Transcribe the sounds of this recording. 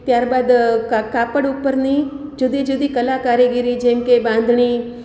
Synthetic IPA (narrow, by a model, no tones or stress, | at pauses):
t̪jaːɾbaːd̪kaːpəɽʊpːəɾnid͡ʒud̪id͡ʒud̪ikəlakaːɾjeɡiɾid͡ʒɛ̃mkebãnd̪ʱɳi